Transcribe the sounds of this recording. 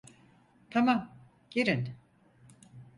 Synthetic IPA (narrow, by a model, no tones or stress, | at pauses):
t̪ʰamam | ɟ̥eɾin